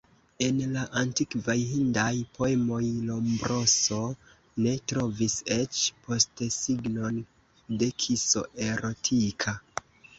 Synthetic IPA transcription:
e̞nlaʔantikvajhindajpo̞e̞mo̞jlo̞mbɾo̞so̞ | ne̞tɾo̞vise̞t͡ʃpʰo̞stsiɡno̞n | de̞kʰiso̞̰ʔe̞ɾo̞tʰikʰa

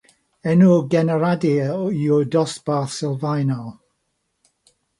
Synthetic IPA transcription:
ɛnuɡɛnəɹadiudɔsb̥aθsɪlˠvajnɔlˠ

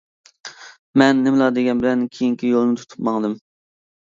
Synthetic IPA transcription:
mɛnːɪmlˠɑd̪eɡʲɛnbɪlɛnkʲʰejiŋkʲʰijolˠnɨt̪ʰu̥t̪ʰu̥pmɑŋd̪ɨm

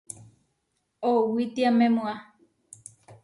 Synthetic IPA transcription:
owit̪iamẽmũa

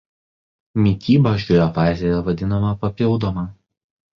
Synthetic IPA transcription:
mʲit̪ʲiːbɐʒʲɡʲoːjoʋɑːzʲejɛʋɐd̪ʲɪnɐmɐpɐpʲɪlˠd̪oːmɑ

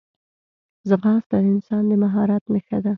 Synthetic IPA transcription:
zəɣɑst̪ad̪əɪnsɑnd̪əmaɦɑɾat̪nəxad̪a

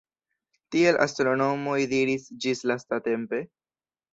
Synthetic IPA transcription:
tie̞lʔa̰stɾo̞no̞mo̞jdiɾisd͡ʒislastate̞mpe̞

